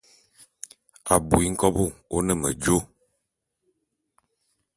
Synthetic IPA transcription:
a˨bu˨i˦ŋ̩˦kɔ˦bo˦o˦nə˦˨mə̰˨d͡ʒo˦

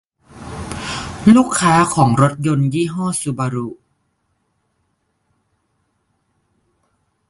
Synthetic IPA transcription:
luː˥˩kʰːaː˦˥kʰɔː˩˦ŋɾo˦˥t̪̚jo˧njiː˥˩ɦɔː˥˩su˧˦baː˧ɾu˧˩

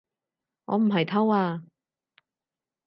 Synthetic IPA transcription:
ŋɔ̰ː˨˧m̩˨˩ɦɐ˨jt̪ʰɐ˥waː˧

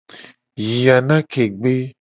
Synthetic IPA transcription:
ji˨ja˨nã˦ke˨ɡ͡be˦

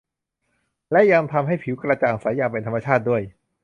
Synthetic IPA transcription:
lɛ˦˥ja˧ŋt̪ʰa˧mɦa˥˩jpʰi˨˩˦wkɾa˧t͡ɕaː˨˩ŋsaː˩˦jaː˧ŋpe˧nt̪ʰa˧ma˧t͡ɕʰaː˥˩t̪̚du˥˩əj

